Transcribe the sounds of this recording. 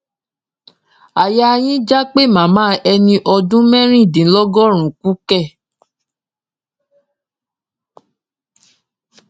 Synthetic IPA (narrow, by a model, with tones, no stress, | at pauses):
a˨ja˧j̃ĩ˦d͡ʒa˦k͡pe˦˨mã˨mãː˦ɛ˧nĩ˧ʔɔ˧dũ˦mɛ̃˦ɾ̃ĩ˦˨dĩ˨˦lɔ˦ɡɔ˦ɾ̃ũ˨ku˦kɛ˦˨